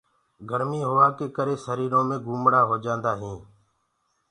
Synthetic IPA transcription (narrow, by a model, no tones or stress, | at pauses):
ɡʱəɾmiːɦoʋaːkeːkəɾeːsəɾiːɾõːmẽːɡuːmɽaːɦoːd͡ʒãːnd̪aːɦĩː